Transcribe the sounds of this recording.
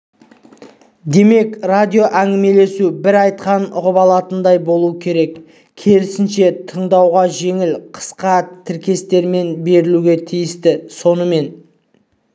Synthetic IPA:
d̪e̞me̞krad̪ʲijo̞ʔæŋɡʲɪme̞le̞subɪɾɑjt̪̚qɑnʊʁəpɑlˠɑt̪ənd̪ɑjbo̞lˠuəkʲʰe̞ɾe̞k | kʲʰe̞lɪsɪnʃe̞t̪ʰəɴd̪ɑwʁɑʒe̞ŋɪlqʰə̥sqɑt̪ʰɪɾkʲe̞st̪e̞ɾme̞nbe̞ɾɪluɡʲe̞t̪ʰijɪst̪ɪso̞nəme̞n

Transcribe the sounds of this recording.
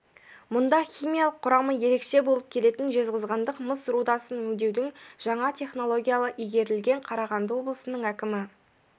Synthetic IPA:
mʊnd̪ɑχʲijmʲijɑlˠəqʰːʊɾɑməje̞ɾe̞kʃe̞bo̞lˠəp̚kʲʰe̞le̞t̪ɪnʒe̞zʁəzʁɑnd̪əqməsɾud̪ɑsənwɵŋd̪e̞wd̪ɪŋʒ̥ɑɴɑt̪ʲʰe̞χno̞lˠo̞ɡʲijalˠəʔijɡʲe̞ɾɪlɡʲe̞ɴqʰɑɾɑʁɑnd̪əwo̞blˠəsənəɴækʲɪmɪ

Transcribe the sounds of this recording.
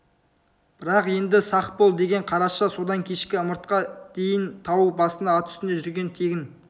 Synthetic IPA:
b̥ɪɾɑqje̞nd̪ɪsɑq̪̚polˠd̪e̞ɡʲe̞ɴqʰɑɾɑʃɑso̞d̪ɑŋkʲʰe̞ʃkʲɪəməɾt̪qɑd̪̥e̞jɪnt̪ʰɑwubɑsənd̪ɑɑt̪ʰʏ̥st̪ɪneʒʏɾɡʲe̞nt̪ʰe̞ɡʲɪn

